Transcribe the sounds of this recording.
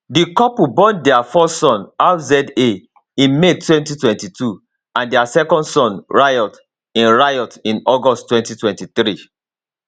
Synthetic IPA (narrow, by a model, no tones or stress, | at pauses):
dikɔpubɔ̃ndɛafɔssɔ̃nazɛde | ĩnmetwɛ̃ntitwɛ̃ntitu | ãndiasɛkɔ̃ndsɔ̃nɹajɔt | ĩnɹajɔtĩnɔɡɔsttːwɛ̃ntitwɛ̃ntiθɾi